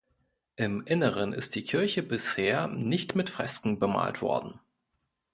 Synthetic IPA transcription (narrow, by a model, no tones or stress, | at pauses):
ʔɪmʔɪnəʁənʔɪ̰st̚d̥iːkʰɪɐçəbɪsheːɐnɪçtmɪtfʁ̥ɛ̰skŋ̩bəma̰ːltv̥ɔ̰ɐdn̩